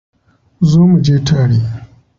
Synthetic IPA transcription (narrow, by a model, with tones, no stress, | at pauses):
zoː˦mu˨d͡ʒeː˦tʰaː˦ɽeː˦